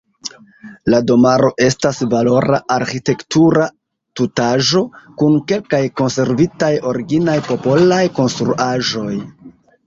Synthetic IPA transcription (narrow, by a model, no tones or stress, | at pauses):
lado̞maɾo̞ʔe̞stasvalo̞ɾa̰ʔaɾxite̞ktuɾa | tutaʒo̞kunke̞lkajko̞nse̞ɾvitajo̞ɾiɡinajpo̞po̞lajko̞nstɾṵʔaʒo̞j